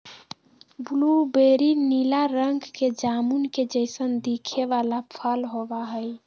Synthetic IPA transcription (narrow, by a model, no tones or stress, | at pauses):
bulubeɾinilaɾəŋɡked͡ʒamunked͡ʒəɪsənd̪ikʰeʋalapʰəlɦobaɦəj